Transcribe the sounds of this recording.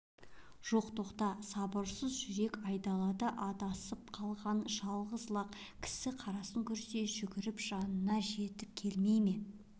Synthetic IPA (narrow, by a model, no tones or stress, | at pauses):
ʒ̥o̞qt̪oqt̪ɑsɑbəɾsəzʒʏɾe̞kɑjd̪ɑlˠɑd̪əʔɑt̪ɑsəp̚qʰɑlˠʁɑnʒɑlˠʁəzlˠɑqkʲʰɪ̥sɪqʰɑɾɑsəŋkʲʰʏɾse̞ʒʏɡʲɪɾɪpʒ̥ɑnənɑʒe̞t̪ɪp̚kʲʰe̞lme̞jme̞